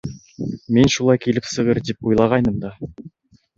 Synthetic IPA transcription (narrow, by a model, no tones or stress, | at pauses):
me̞nʃulˠɑjkʲʰe̞lɪpsəʁəɾd̪ep̚ojlˠɑʁɑjnəmd̪ɑ